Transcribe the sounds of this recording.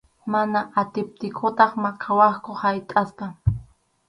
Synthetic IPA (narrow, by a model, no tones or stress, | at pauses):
manaʔat̪ɪp̚t̪ɪkʰʊt̪ɑχmakʰawɑχkʊhajt̪ʼaspa